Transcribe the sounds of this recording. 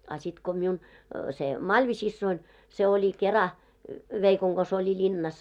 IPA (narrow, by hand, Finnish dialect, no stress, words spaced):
ɑ sit ko miun se mɑlʲʋisisːoin se olʲi kerɑ ʋeikoŋ ɡ̊os olʲi lʲinːɑs